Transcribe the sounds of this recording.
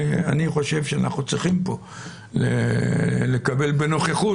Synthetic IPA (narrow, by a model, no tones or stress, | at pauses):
a̰niχo̞ʃe̞vʃeana̰χnut͡sʁiχimpo̞ | lḛ | lekabe̞lbenoχeχu